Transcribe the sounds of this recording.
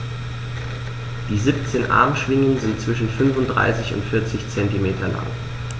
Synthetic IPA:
d̥iːzip̚t͡seːnʔa̰ɐmʃv̥ɪŋənzɪntt͡sv̥ɪʃn̩fʏnfʊnt̚d̥ʁa̰ɪsɪçʊ̰ntfɪɐt͡sɪçt͡sɛntimeːtʰɐla̰ŋ

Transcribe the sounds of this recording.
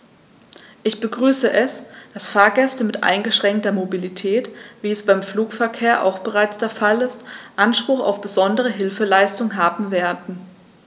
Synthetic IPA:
ʔɪçb̥əɡʁyːsəʔɛsd̥asfaːɐɡɛstəmɪtʔa̰ɪnɡəʃʁ̥ɛŋk̚tɐmobilitʰɛːtviːɛsb̥aɪmfluːkfɛɐkʰeːɐʔa̰ʊxb̥əʁaɪt͡sd̥eːɐfalɪstʔanʃpʁ̥ʊxa̰ʊfb̥əzɔndəʁ̞əɦɪlfəlaɪstʊŋɦaːbm̩veːɐdn̩

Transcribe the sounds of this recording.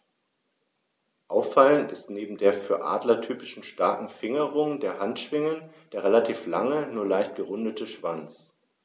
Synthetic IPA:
ʔaʊfaləntɪstneːbm̩deːɐfyːɐʔa̰ːdlɐtʰyːpɪ̥ʃn̩ʃtaɐkŋ̩fɪŋəʁʊŋdeːɐhantʃv̥ɪŋənd̥eːʁelatʰiːflaŋənuːɐlaɪçt̚ɡ̥əʁʊndətʰəʃv̥ant͡s

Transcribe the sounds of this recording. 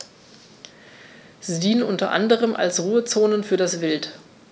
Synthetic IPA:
z̥idiːnənʔʊntɐ̰ʔa̰ndəʁ̞əmʔa̰lsʁuːət͡soːnənfyːɐdasvɪlt

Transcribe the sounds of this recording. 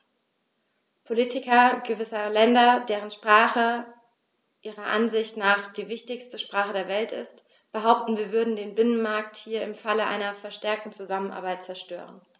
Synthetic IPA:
pʰoliːtʰɪkɐɡ̥əvɪsɐlɛndɐdeːʁənʃpʁ̥aːχə | ʔiːʁɐʔanzɪçtnaːχd̥iːvɪçtɪçstəʃpʁ̥aːχədeːɐvɛltɪ̰st | b̥əɦaʊp̚tn̩viːɐvʏɐdn̩deːnbɪnənmaɐk̚thiːɐɪmfaləʔa̰ɪnɐfɛɐʃtɛɐk̚tn̩t͡suzamənʔa̰ɐbaɪt̚t͡sɛɐʃtø̰ːʁən

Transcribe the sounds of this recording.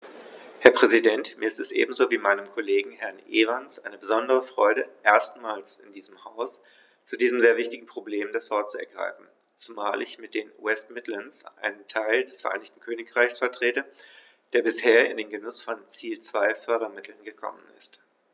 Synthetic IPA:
hɛɐpʁ̥ɛzidɛntmiːɐɪstɛsʔḛːbm̩zoːviːmaɪnəmkʰoleːɡŋ̩hɛɐnʔeːʁansʔaɪnəbəzɔndəʁ̞əfʁ̥ɔʏɾəʔeːɐstmaːlsɪndiːzəmhaʊs | t͡sudiːzəm̩zeːɐvɪçtɪɡŋ̩pʁ̥obleːmdasv̥ɔɐt̚t͡suɛ̰ɐɡʁa̰ɪfn̩ | t͡sumaːlɪçmɪt̚d̥eːnṵɛstmɪtlənsʔa̰ɪnəntʰaɪldɛsfɛɐʔa̰ɪnɪçtn̩kʰøːnɪkʁ̥aɪçsfɛɐtʁ̥eːtə | d̥eːɐbɪsheːɐɪ̰ndeːnɡənʊsfɔnt͡siːlt͡sv̥aɪfœɐɾɐmɪtʰl̩nɡəkʰɔ̰mənɪ̰st

